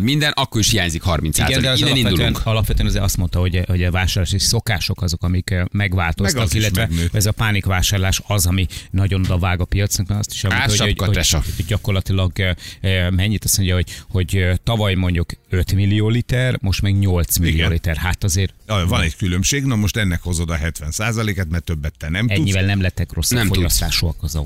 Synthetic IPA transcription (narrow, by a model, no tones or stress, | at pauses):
mind̪ɛnʔɒkːoɾiʃhiaːɲzikhɒrminsia̰ːzɡɛd̪ɛzit̪uɛnɒlɒpʋɛt̪øɛnɒzeɾɒst̪mo̞nt̪ɒho̞ɟho̞ɟɛvaːʃaːrlaːʃeʃso̞kaːʃo̞kɒzo̞kɒmikmɛɡvaːlt̪o̞ɒkilːɛt̪vɛnːɛzɒpaːnikʋaːʃaːrlaːʃɒzɒminɒɟonod̪ɒvaːɡɒpijɒt̪snɒkmaːnɒ̰st̪i̥ʃɛlmont̪ːooohoɟɒko̞rlɒt̪ilɒɡ | mɛɲːit̪ɒsmoɲɟjɒɦo̞ɟho̞ɟt̪ɒvɒjmo̞ɲɟukøt̪milːioːlit̪ɛrmo̞ʃt̪mɛɡɲo̞lt̪smilio̰ːlit̪ɛrhaːt̪ɒzeːrvɒnɛɟkylømʃeːɡnomoʃt̪ɛnːɛkho̞zod̪ɒɦɛt̪ʋɛnsaːzɒleːkaːt̪mɛrt̪øbːɛt̪ːɛnɛmtɛuɲːivɛlnɛmlɛt̪ːɛkro̞sːɒɛmfɒst̪a̰ːʃuɒkɒzɒ̰